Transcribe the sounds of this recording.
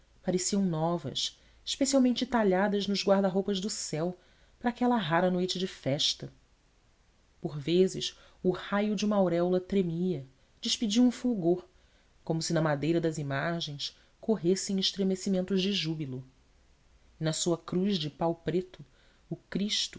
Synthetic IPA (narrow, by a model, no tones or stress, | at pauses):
paɾesiɐ̃w̃nɔvɐ̰s | i̥ʃpesiawmẽnt͡ʃɪt̪aʎad̪ɐznʊzɡwaɾd̪ɐɦowpɐʒd̪ʊsɛw | pɾɐaːkɛlɐɦaɾɐnojt͡ʃɪd͡ʒɪfɛʃt̪ɐ | poɾvezɪʃ | ʊhajʊd͡ʒɪũmɐawɾɛwlɐt̪ɾemiɐ | d͡ʒɪʃpid͡ʒiwũfuɡoɾ | kõmʊsɪnɐmad̪ejɾɐd̪ɐzimaʒẽj̃s | kʰoɦesẽj̃ɪʃt̪ɾemesimẽnt̪ʊzd͡ʒɪʒubilʊ | ɪnɐsuɐkɾuʒd͡ʒɪpawpɾet̪ʊː | kɾiʃt̪ʊ